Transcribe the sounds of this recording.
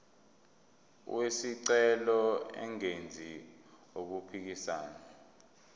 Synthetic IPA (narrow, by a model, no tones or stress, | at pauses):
wesiǀɛlɔɛ̰ŋend͡zʱi | ok̬upʰik̬isaːna